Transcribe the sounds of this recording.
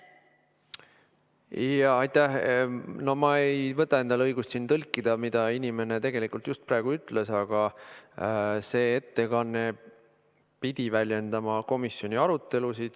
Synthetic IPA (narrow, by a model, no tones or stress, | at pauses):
ɑɑjt̪ːæhno̞mɑe̞jvɤt̪ːˑɑe̞nd̪̥ɑlɤjɡ̥ust̪sint̪ɤlkˑːid̪̥ɑmid̪̥ɑinime̞ne̞t̪e̞ɡ̥e̞likːˑult̪just̪̚pɾæːɡ̥uyt̪ːˑle̞sɑɡ̥ɑ | se̞ːet̪ːe̞kɑnːe̞ | pid̪̥ivælʲje̞nd̪̥ɑmɑko̞misːjo̞nʲiɑɾut̪ːe̞lusid̪̥